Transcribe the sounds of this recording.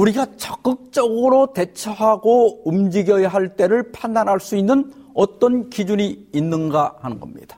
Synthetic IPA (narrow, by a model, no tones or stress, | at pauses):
uɾiɡat͡ɕʌk͈ɯk̚t͡ɕ͈ʌɡɯɾote̞t͡ɕʰʌɦaɡoumd͡ʑiɡjʌjaɦaɭt͈e̞ɾɯɭpʰandanɦaɭs͈uinːɯnʌt͈ʌnkid͡ʑuɲiːnːɯnɡahanɯnɡʌ̰mɲḭd̥ḁ